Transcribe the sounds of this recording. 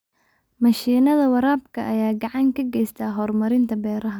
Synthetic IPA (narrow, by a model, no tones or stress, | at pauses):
mɐʃiːnɐðɐwɐɾaːbkʰɐʔɐjaːɡɑʕɑŋkʰɐɡɛjst̪ʰaːɦɔːrmɐɾɪnt̪ʰɐbɛːɾɐɦɐ